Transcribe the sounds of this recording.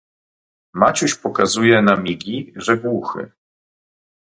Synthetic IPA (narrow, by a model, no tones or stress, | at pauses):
mat͡ɕuɕpɔkazujɛnamʲiɡʲiʐɛɡwuxɘ̰